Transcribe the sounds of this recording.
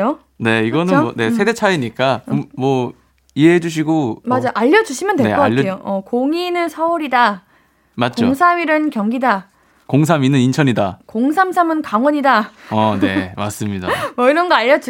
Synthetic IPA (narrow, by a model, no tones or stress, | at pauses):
o | ne̞iɡʌnɯʌne̞sʰe̞de̞t͡ɕʰaiɲik͈amwʌ | iɦeɦed͡ʑuɕ̬ʰiɡomad͡ʑaʔaʎːʌd͡ʑuɕʰimjʌndweeʌk͈aʎːʰejoʌkoŋinɯnsʰʌuɾida | mat̚t͡ɕ͈oŋsʰamiɾɯnkjʌŋɡida | koŋs̬ʰaminːɯnint͡ɕʰʌɲidakoŋsʰamsʰamɯnkaŋwʌɲidaʌne̞ma̰s͈ɯmɲidamʌiɾʌnɡʌaʎːʌd͡ʑ